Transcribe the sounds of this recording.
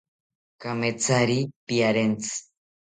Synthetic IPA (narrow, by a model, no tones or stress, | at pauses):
kamet͡saɾipiaɾent͡sɨ̥